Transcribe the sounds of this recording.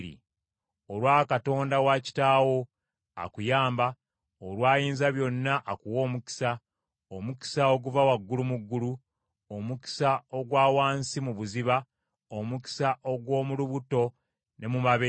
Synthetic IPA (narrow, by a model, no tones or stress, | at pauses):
ɾḭ | olwaːkato̞ːndawaci̥taːwo̞ | a̰kujaːmba | oɾwaːjiːnzaβjo̞nːaʔːkuwo̞ːmuci̥sa | omuki̥sao̞ɡuvawaɡːulumuɡːulu | omuki̥sao̞ɡwaːwaːnsimuβuziβa | omuci̥saʔo̞ɡwo̞ːmuluβuto̞ | ne̞mumaβe